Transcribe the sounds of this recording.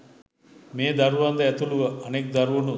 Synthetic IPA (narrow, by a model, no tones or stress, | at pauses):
meːd̪aɾuʋand̪əæt̪uluʋəʔanek̚d̪aɾuʋunu